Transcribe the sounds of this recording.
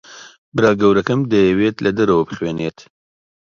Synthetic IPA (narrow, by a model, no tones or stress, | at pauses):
bɾɑːɡɐwɾɐkɐmd̪əjweːt̪lɐd̪əɾowpχweːneːt̪